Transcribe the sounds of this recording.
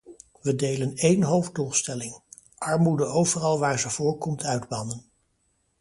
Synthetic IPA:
ʋədejlənejnɦowvdulˠstɛlɪŋ | ʔɑɹmudəowvərɑlˠʋaːɹzəv̥ʊːɹkɔmtʰœɥdbɑnən

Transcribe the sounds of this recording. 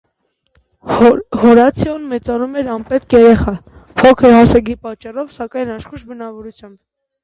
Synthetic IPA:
hɔɾɑt͡sʰiɔnmɛt͡sɑnumɛɾɑmpɛt̪kjɛɾɛχɑ | pʰɔkʰəɾɦɑsɛɡipɑt͡ʃːɑrɔvsɑkɑjnɑʃχuʃbənɑvɔɾut͡sʰjɑmb

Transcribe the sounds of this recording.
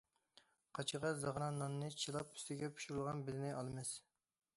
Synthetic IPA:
qʰɑt͡ʃʰəʁɑzɑʁɾɑnːɑnːɨt͡ʃʰilˠɑpy̥st̪ɪɡʲɛpu̥ʃuɾulˠʁɑnbɪlɪnɪʔɑlˠmɪs

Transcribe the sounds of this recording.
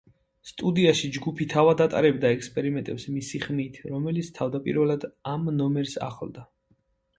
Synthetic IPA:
st̪ʼud̪iaʃid͡ʒɡupʰit̪ʰavad̪at̪ʼa̰ɾɛbd̪aɛkʰspʼɛɾimɛnt̪ʼɛpsmisiχmit̪ʰɾɔmɛlit̪sʰt̪ʰavd̪apʼḭɾvɛlad̪amnɔmɛɾsa̰χlˠd̪a

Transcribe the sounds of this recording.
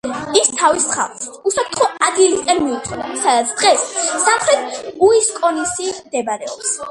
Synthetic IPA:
ist̪ʰavisχa̰lˠχusap̚ʰt̪ʰχɔad̪ɡilit̪ʼɛlmiut̪sʰɛda̰sad̪at̪sʰd̪̥ʁɛsːamχɾɛt̪̚ʰuiskʼɔnisimd̪ɛbaɾɛɔps

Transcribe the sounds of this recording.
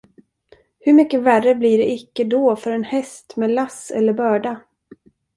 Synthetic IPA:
hɵɾmʏkːəværəbliɖɛɪkːəd̪ɔfœɾɛnhɛst̪meːlasɛ̰lːəɾbœːɖa

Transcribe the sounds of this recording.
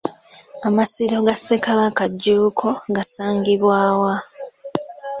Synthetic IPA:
amasiɾo̞ɡasekaβakaɟːuːkʰo̞ɡasaːŋɡiβwaːwa

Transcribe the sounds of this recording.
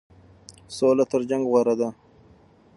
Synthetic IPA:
solat̪əɾd͡ʒaŋɡʁwaɾad̪a

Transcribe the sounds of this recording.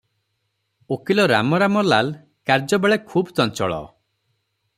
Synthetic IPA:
okilɔɾa̰mɔɾamɔlal | kaɾd͡ʒɔbeɭekʰuːbt̪ɔnt͡ʃɔɭɔ̰

